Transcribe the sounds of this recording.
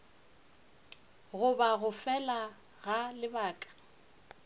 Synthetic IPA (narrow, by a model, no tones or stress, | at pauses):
ɣʊbaɣʊfɛla | ɣalɪbaːkʼḁ